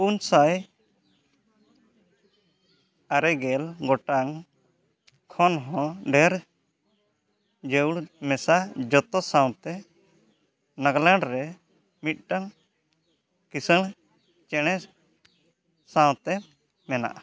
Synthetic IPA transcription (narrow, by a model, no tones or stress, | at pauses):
punsaj | aɾɛɡɛlɡɔʈaŋ | kʰɔnɦɔ̃ɖɛɾ | d͡ʒəuɽmɛsad͡ʒɔt̪ɔsaw̃t̪ɛ | naɡlãɳɖɾɛ | mit̪̚ˀʈaŋ | kisəɭ | t͡ʃɛɽ̃ɛ | sãw̃t̪ɛ | mɛna̰ʔa